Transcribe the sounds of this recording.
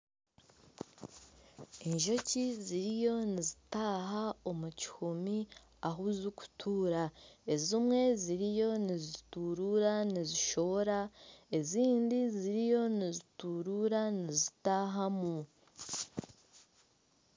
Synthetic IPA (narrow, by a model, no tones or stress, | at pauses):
eɲʒo̞ciziɾijo̞nizitaːɦao̞muci̥humi | aɦuzuku̥tʰuːɾaezimŋe̞ziɾijo̞nizituɾuɾaniziʃo̞βoɾaeziːndiziɾijo̞nizituɾuɾanizitaːɦamu